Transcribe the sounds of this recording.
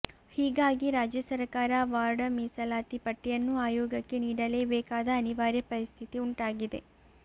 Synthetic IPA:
hiːɡaːɡiɾaːd͡ʒjɐsɐɾkaːɾɐʋaːɾɖɐmiːsɐlaːt̪ipɐʈːijɐnːuaːjoːɡɐkːe̞niːɽɐle̞ːbɛːkaːd̪ɐːniʋaːɾjɐpɐɾist̪ʰit̪iuɳʈaːɡid̪e̞̰

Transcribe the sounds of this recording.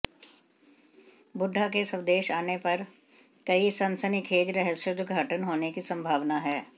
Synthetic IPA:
bʊɖʱːak̬esəwd̪eːʃaːnepɐɾ | kɐisɐ̃nsənikʰeːd͡ʒɾəɦəsʊd̪ɡʱəʈənɦoːnekisə̃mbʱaːʋnaɦɛː

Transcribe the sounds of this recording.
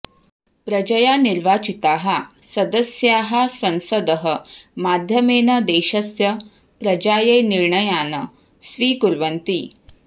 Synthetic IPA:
pɾɐd͡ʒɐjaːniɾʋaːt͡ʃit̪aːɦɐsɐd̪əsjaːɦɐsɐnsɐd̪əɦəmaːd̪ʱjɐmeːnɐd̪eːɕɐsjɐ | pɾɐd͡ʑaːjeːniɾɳɐjaːnɐ | sʋiːkuɾʋɐnt̪iː

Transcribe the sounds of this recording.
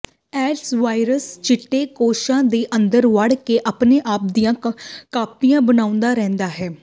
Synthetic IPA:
ɛːʈsʋaːɪɾəst͡ʃɪʈːeːkoːʃãːd̪eːʔənd̪əɾʋəɽkeʔəpneːʔaːp̚d̪ijãːkaːp̚t̪ijãːbənaːʊ̃nd̪aːɾɛ̃ːnd̪aːɦɛː

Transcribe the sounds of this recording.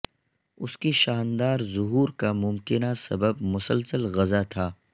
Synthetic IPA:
ʊskiʃaːnd̪aːɾzʊɦuːɾkamʊmkɪnasɐbəb̚mʊsəlsəlɣɐzat̪ʰaː

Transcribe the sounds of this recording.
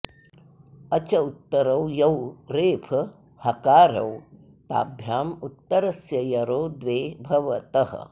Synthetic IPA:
ɐt͡ʃɐut̪ːɐɾɐwjɐwɾeːpʰɐ | hɐkaːɾɐ̰w | t̪a̰ːbʱjaːmut̪ːɐɾɐsjɐjɐɾoːd̪ʋeːbʱɐʋɐt̪ɐhɐ̰̆

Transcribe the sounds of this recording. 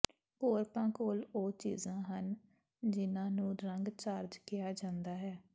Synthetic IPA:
koːɾpãːkoːloːt͡ʃḭːzãːɦən | d͡ʒɪnãːnũːɾəŋɡt͡ʃaːɾd͡ʒkɪjaːd͡ʒãːnd̪aːɦɛː

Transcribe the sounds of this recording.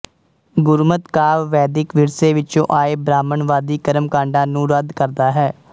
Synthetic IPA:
ɡʊɾmət̪kaːʋʋɛːd̪ɪkʋɪɾseːʋɪt͡ʃõ̰ːʔaːeːbɾaːməɳʋaːd̪iːkəɾəmkãːɳɖãːnũːɾəd̪kəɾd̪aːɦɛː

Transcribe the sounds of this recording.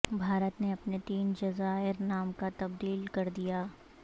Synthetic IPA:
bʱaːɾət̪neɐpnet̪iːnd͡ʒɐzaːɪɾnaːmkat̪ɐbd̪iːlkɐɾd̪ijaː

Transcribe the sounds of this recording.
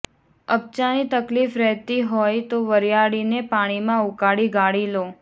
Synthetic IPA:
əp̚t͡ʃanit̪əklifɾɛɦt̪iɦojt̪oʋəɾjaɽinepaɽ̃imãukaɽiɡaɽilo

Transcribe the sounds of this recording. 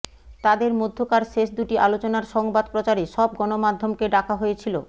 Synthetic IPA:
t̪ad̪eɾmod̪ʱːokaɾʃeʃd̪uʈiʔalot͡ɕonaɾʃɔŋbad̪pɾot͡ɕaɾeʃɔb̚ɡɔnomad̪ʱːomkeɖakʰaɦojet͡ɕʰilo̰

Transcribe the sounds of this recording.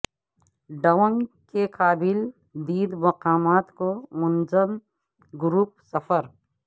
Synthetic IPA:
ɖəwəŋkekaːbɪl | d̪iːd̪mɐqaːmaːt̪komʊnzəm | ɡʊɾuːp̚sɐfʰəɾ

